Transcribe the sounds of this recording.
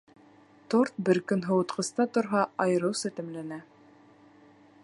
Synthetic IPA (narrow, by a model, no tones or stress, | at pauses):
t̪oɾt̪̚bɘɾkɵnɦɤ̆wɤ̆t̪qɤ̆st̪ɑt̪ŏɾɦɑɑjɤ̆ɾɤ̆wsɘt̪ɘ̆mlænæ